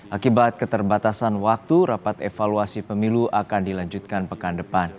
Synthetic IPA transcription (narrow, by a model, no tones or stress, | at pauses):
ʔakibat̪̚kət̪ərbat̪asanwak̚t̪uɾapat̪efaluasipəmiluʔakandilaɲd͡ʒut̪̚kanpəkandəpan